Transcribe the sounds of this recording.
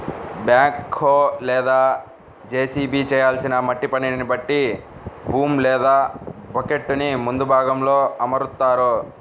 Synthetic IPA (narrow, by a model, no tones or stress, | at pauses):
bjaːŋkʰːoːlɛːd̪aː | d͡ʒeːsiːbiːt͡ʃɛːjaːlsinɐmɐʈːipɐninibɐʈːibuːmlɛːd̪aːbɐke̞ʈːunimund̪ubʱaːɡɐmlo̞ːɐmɐɾut̪ːaːɾu